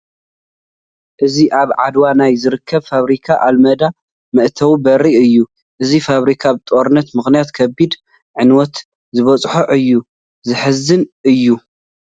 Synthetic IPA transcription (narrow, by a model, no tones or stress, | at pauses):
ʔɨziʔaβʕad̪wanajzɨɾɨkʰːɐβfaβɾikʰaʔalmɐd̪a | mɐʔt̪ʰɐwbɐɾiɨjːu | ʔɨzifaβɾikʰaβt̪ʼoɾɨnːɐt̪mɨxnijat̪kʰɐbid̪ | ʕɨnwɔt̪ | zɨβɐt͡sʼħoʔɨjːu | zɨħɨzːɨnʔɨjːu